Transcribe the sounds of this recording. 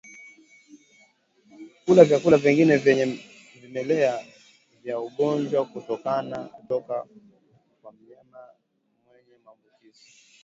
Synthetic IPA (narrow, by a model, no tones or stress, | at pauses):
kulavjakulaviŋɡinɛvɛɲɛ | vimɛlɛa | vjauɠɔnd͡ʒwakutɔkanatɔka | kwam̩ɲama | mwɛɲɛmavusisi̥